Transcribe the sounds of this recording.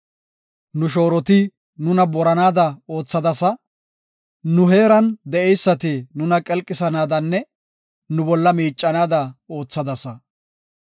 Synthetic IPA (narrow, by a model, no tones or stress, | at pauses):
nʊʃ̬o̞ːɾɔt̪ɪ | nʊnɐbɔɾɐnaːd̪ɐo̞ːt͡sːɐd̪ɐsɐ | nʊɦeːɾɐnd̪ɛʔɛjsːɐt̪ɪnʊnɐkʼɛlkʼːɪsɐnaːd̪ɐnːɛ | nʊbɔlːɐmiːt͡ʃʼːɐnaːd̪ɐo̞ːt͡sːɐd̪ɐsɐ